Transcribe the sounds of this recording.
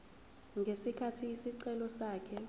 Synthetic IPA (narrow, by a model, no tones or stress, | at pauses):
ŋɡʱesikʰatʰiːsiǀɛlɔsaːkʰɛ